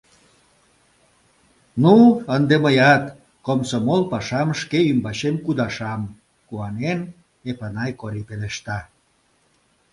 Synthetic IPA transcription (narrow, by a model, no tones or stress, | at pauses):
nuənd̪eməjɑt̪ | komsomolpɑʃɑmʃkeymbɑɕemkud̪ɑʃɑm | kuɑnen | epanɑjkoɾipeleʃt̪ɑ